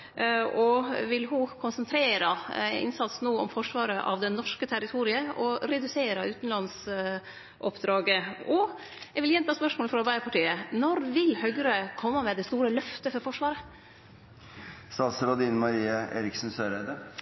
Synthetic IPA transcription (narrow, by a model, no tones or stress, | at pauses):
ɔʋɪlɦʊkʰʊnsɛnt̪ʰɾeːɾəɪ̰nsɑt̪snoːɔ̰mfɔʂʋɑːɾəʔɑ̰ʋd̪ɛnːɔʂkət̪ʰæɾɪt̪ʰuːɾɪəɔɾɛd̪ʉseːɾəʉːt̪nlɑns | ʔɔpd̪ɾɑːɡəɔ | ɛɡʋɪljɛnt̪ʰɑːspœʂmoːləfɾɑɑɾbæɪəɾpʰɑʈiːənɔɾʋɪlhœɡəɾəkʰɔmːəmɛd̪ɛst̪uːɾəlœft̪əfɔɾfɔʂʋɑːɾə | st̪ɑsɾɔd̪iːnəmɑɾiːəʔḛːɾɪksnsøːɾɛd̪ə